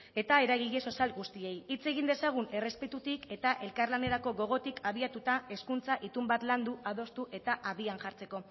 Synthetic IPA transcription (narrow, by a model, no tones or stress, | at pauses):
e̞t̪ae̞ɾaɣiʎesosalɡust̪ie̞jit͡se̞ɣ̞ind̪e̞saɣ̞une̞re̞spe̞t̪ut̪ike̞t̪aʔe̞lkarlane̞ɾako̞ɣo̞ɣ̞o̞t̪ikʰaβ̞iat̪ut̪ae̞skunt͡saʔit̪umbat̪land̪uað̞o̞st̪uʔe̞t̪aʔaβianʝaɾt͡se̞ko̞